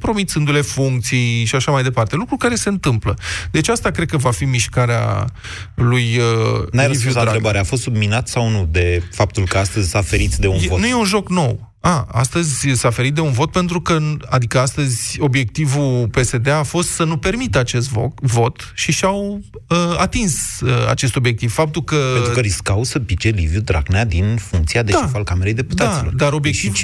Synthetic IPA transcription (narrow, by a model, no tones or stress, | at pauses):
pɾo̞mit̪sɨnd̪ule̞fuŋk̚t̪sijʃiaʃamajd̪e̞part̪e̞lukɾulkaɾe̞se̞ɨnt̪ɨmpləd̪e̞t͡ʃast̪akɾed̪̚kəvafimiʃkaɾea̰ | lujənajivsɾɾebaɾeafo̞st̪subminat̪sawnud̪e̞fap̚t̪ulkəast̪əzʲsafeɾit̪sd̪e̞unonuje̞unʒo̞kno̞w | aa̰st̪əzʲsafeɾit̪̚d̪e̞unvo̞t̪̚pe̞nt̪ɾukəa̰d̪ikəast̪əzʲo̞bje̞k̚t̪ivupe̞se̞d̪eafo̞st̪sənupe̞rmit̪əat͡ʃe̞st̪vo̰vo̞t̪ʃiʃawəat̪insəa̰t͡ʃe̞st̪o̞bje̞k̚t̪iv̥fap̚t̪ulkəenukəɾiskawsəpit͡ʃelivjud̪ɾa̰ɡnead̪infuŋk̚t̪siad̪eʃaifalkame̞ɾejd̪e̞put̪atasilo̰rd̪aɾo̞bje̞k̚t̪iv